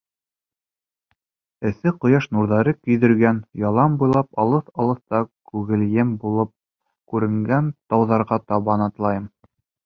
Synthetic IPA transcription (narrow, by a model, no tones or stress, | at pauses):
ɘ̆θɘqŏjɑʃnuɾðɑɾɤkɵ̆jðɘ̆ɾɡænjɑlˠɑmbujlˠɑpɑlˠɤθɑlˠɤ̆θt̪ɑkʉɣɘ̆ljɘmbulˠɤp̚ | kʉɾɘ̆ŋɡænt̪ɑwðɑɾʁɑt̪ɑβɑnɑt̪lˠɑjɤm